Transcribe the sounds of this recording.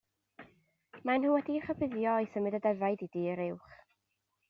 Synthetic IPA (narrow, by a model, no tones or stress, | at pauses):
manhuːwɛdiχəbɪðjɔɔjθəmɨdədɛvaɨdidiːəɾɪwχ